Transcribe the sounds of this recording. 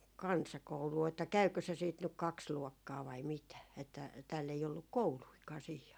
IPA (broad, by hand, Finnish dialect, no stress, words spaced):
kɑnsɑkouluː etːæ kæykø se siːt nyk kɑks luɔkːɑː ʋɑi mitæ etːæ tæːlː ei olːuk kouluikɑː sihi